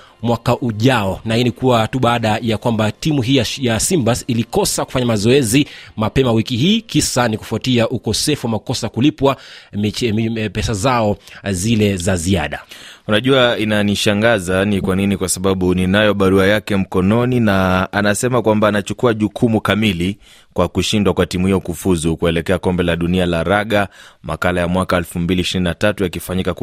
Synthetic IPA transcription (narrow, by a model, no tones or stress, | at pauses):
mwakaʔuʄaɔnahinikuwatuɓaːɗajakwambatimuɦiːajasimbasilikɔsaku̥faɲamazɔɛzimapɛmawikiɦiːkisaniku̥fuatiaʔukɔsɛfuwamakɔsakulipwa | pɛsazaɔzilɛzazia̰ɗaunaʄuainaniʃaŋɡazanikwaninikwasaɓaɓuninajɔɓaɾuajakɛm̩kɔnɔninaanasɛmakwambaːnat͡ʃukuaʄukʰumukamili | kwakuʃindwakwatimuhijɔkufuzukuɛlɛkɛakɔmbɛlaɗunialaɾaɠamakalajamwakaɛlfumbiliːʃiɾininatatujakifaɲikak